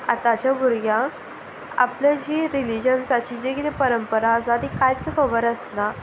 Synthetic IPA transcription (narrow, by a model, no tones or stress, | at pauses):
a̰t̪at͡ɕjabʱuɾɡjã | a̰pljad͡ʑiːɾilid͡ʑənsat͡ɕiːd͡ʑeɡelepəɾəmpəɾaːd͡zad̪ikajt͡səfəʋəɾəsna